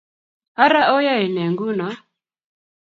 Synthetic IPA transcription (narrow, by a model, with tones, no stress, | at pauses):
a˦ɾa˦ʔɔ˦ja˦i˨nɛ˨ŋɡu˦na˨˦